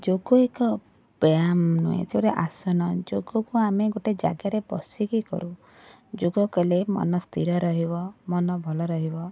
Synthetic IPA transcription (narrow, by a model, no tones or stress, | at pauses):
d͡ʒoɡuekɔ | b̥amnṵjḛtʰibɾeʔasɔnɔd͡ʒoɡukuameɡoʈed͡ʒa̰ɡaɾebɔ̰sikikɔ̰ɾu | d͡ʒoɡɔkɔlemɔ̰nɔst̪ʰḭɾɔɾɔɦibɔmɔnɔbʱɔlɔɾɔɦibɔ